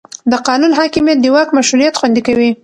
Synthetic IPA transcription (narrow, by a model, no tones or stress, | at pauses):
d̪əqɑnunɦɑkɪmjat̪̚d̪əwɑkmaʃɾunijat̪xwand̪ikawi